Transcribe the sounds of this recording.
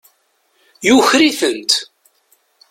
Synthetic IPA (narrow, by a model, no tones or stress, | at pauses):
juçɾiθənt̪